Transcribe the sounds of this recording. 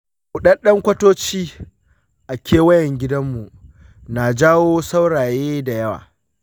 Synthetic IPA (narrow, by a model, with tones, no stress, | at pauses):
ʊ˦˨ɗɐ˦nɗɐ˦ŋkʷɐ˦toː˦t͡ʃiː˦ | ʔa˨kʲʰeː˦wɐ˦jɛ˨ŋɡʲɪ˦dɐ˦mːu˨ | naː˨d͡ʒaː˦woː˦sa˦wɽaː˨jeː˦da˨jɐ˦wa̰ː˨